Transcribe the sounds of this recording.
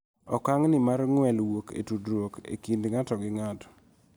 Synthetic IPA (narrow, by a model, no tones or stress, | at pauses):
ɔkaŋnɪmarŋwɛlwokḛtudɾwokḛkindŋatɔɡɪŋatɔ̥